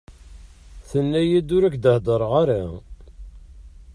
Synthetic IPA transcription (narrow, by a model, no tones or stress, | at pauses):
θənːæjid̪ʊɾækd̪əhd̪ˤəɾˤʁaɾa